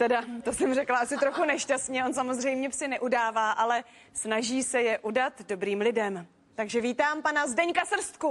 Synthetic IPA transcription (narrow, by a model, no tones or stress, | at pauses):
t̪ɛdat̪o̞sɛmrɛklaʔasɪt̪ɾo̞xunɛʃcast̪ɲɛo̞nsamo̞zr̝ɛjmɲɛpsɪnɛʔudaːvaːʔalɛ | snaʒiːsɛjɛʔudat̪do̞bɾiːmlɪdɛm | t̪aɡʒɛviːt̪aːmpanazdɛɲkasr̩st̪̚ku